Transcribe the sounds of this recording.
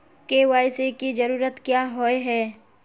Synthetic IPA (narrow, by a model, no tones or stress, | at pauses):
kewaːɪsekid͡ʒɐɾuːɾət̪kjaːɦoeɦɛː